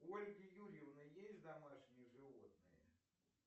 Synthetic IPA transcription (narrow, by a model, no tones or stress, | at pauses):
olʲɡʲɪjuɾʲɪvnɨjesʲtʲd̪amaʂnʲɪjəʐɨvot̪̚nɨ̰jə̰